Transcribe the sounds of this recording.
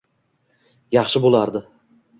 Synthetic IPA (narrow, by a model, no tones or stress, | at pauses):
jɑχʃɪbolˠaɾd̪ɪ